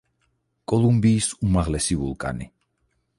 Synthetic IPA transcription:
kʼɔlumbiːsumaʁlɛsivṵlˠkʼa̰nḭ

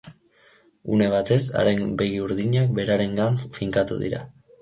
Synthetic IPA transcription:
une̞β̞at̪e̞sa̰ɾe̞nbe̞ɣiuɾðiɲak̚be̞ɾaɾe̞ŋɡaɱfiŋkat̪ṵðḭɾa̰

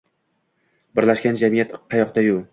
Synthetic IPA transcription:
bɪɾlaʃkʲand͡ʒamijat̪qʰɑjɒqd̪ajʊ

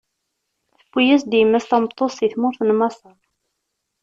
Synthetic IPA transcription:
θəfʷːijæsd̪jəmːæst̪ɑmət̪ˤːosˤiθmʊɾθənmɑsˤɑ

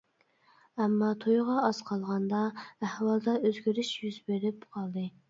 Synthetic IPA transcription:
ɛmːɑt̪ʰojʁɑːz̥qʰɑlˠʁɑnd̪ɑæhwɑlˠd̪ɑøzɡʲyɾyʃjyzbeɾɪpqʰɑlˠd̪ɨ

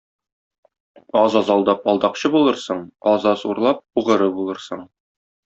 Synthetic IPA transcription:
ɒzɑzɒlˠd̪ɑpɒlˠd̪ɑqɕɤbulˠɤɾsɤɴɒzɑsuɾlˠɑp̚uʁɤ̆ɾɤbulˠɤɾsɤɴ

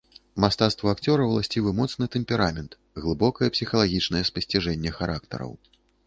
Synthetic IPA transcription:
mast̪at̪st̪vɐakt͡sʲɔɾɐwlˠasʲt͡sʲivɨmɔt̪snɨt̪ɛmpʲɛɾamʲɛnt̪ | ɣlˠɨbɔkɐjɛpsʲixɐlˠaɣʲit͡ʂnɐjɛspɐsʲt͡sʲiʐɛnʲːɛxaɾʔak̚t̪ɐ̰ɾɐ̰w

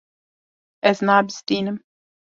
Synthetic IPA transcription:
ɛznabst̪iːnəm

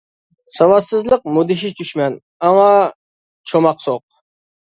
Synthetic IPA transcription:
sɑvɑsːɨzlˠɨq̚mʊd̪ɪʃ̬ɪt͡ʃʰʊʃmæn | amɑ | t͡ʃʰomɑqsoq̚

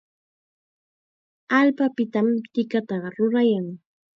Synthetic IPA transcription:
alpapɪt̪amt̪ɪkat̪aɾʊɾajaŋ

